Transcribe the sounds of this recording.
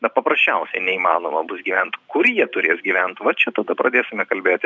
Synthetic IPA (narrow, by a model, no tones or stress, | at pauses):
nɐpɐpɾɐsʲt͡ʃʲɛʊsʲɛɪnʲɛiːmɑ̰ːnoːmɐbʊsɡʲiːʋʲɛnt̪kʊrjiɛt̪ʊɾʲeːsɡʲiːʋʲɛnt̪ʋɐt͡ʃʲɛt̪ɐd̪ɐpɾɐd̪ʲeːsʲɪmʲɛkɐlʲbʲeːt̪ʲɪ